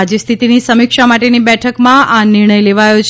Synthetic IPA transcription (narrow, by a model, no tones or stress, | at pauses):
d͡ʒist̪ʰit̪inisəmikʃamaʈenibɛʈʰəkmãʔanɪɾɳ̃əjleʋajot͡ʃʰ